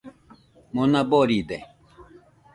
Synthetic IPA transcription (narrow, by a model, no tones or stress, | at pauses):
mɔnabɔɾid̪ɛ